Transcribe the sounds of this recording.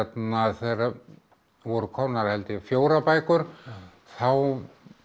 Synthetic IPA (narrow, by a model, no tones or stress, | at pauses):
ɛt̪naθejɾa | vɔɾʏkʰɔnaɾhɛlt̪ɪfjoːwɾapajkʏɾ̥ | θaw